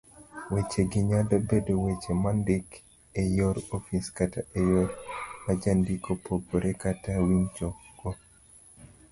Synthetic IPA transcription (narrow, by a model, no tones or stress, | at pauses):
wet͡ʃeɡɪɲadabedowet͡ʃemandɪk | ejɔɾɔfiskataejɔɾmad͡ʒandikopoɡoɾekatawint͡ʃɔkɡɔ